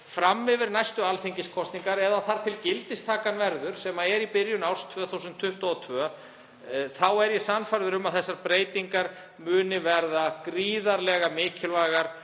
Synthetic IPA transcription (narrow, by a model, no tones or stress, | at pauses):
fɾamːɪvɪɾnajst̪ʏalθejɲcɪskʰɔst̪niŋkaɾɛðaθaɾ̥t̪ʰɪlcɪlt̪ɪst̪ʰaːkanvɛɾðʏɾ̥sɛmaɛɾipɪɾjʏnawɾ̥st̪ʰvœːθusʏnt̪ʰːʏht̪ɔɔt̪ʰvœːa | θawɛɾjɛsanfajɾðʏɾʏmaðθɛsːaɾpɾeːjt̪iŋkaɾ | mʏːnɪvɛɾðakɾiːðaɾlɛɣamɪːcʰɪlvaːjɣaɾ̥